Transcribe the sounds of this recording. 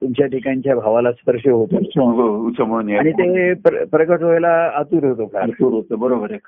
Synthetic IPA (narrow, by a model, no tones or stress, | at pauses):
t̪umt͡ɕjaʈʰikaɲt͡ɕjabʱaʋalaspəɾʂəɦot̪eout͡ɕəmənjaaɽ̃it̪epɾpɾəɡəʈɦojlaːt̪uːɾɦot̪opʰat̪uːɾɦot̪əbəɾobəɾek